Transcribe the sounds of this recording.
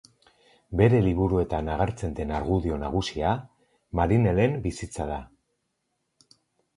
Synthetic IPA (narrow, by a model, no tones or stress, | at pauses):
be̞ɾe̞liβuɾue̞t̪anaɣ̞aɾt͡se̞nd̪e̞naɾɣuðio̞naɣ̞usia | maɾine̞le̞mbisit͡saða